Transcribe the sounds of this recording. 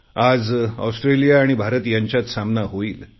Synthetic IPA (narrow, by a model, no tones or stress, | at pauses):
ad͡zɔ̰wsʈɾelijaːɽ̃ibʱaɾət̪jaɲt͡ɕjat̪samnaɦoiːl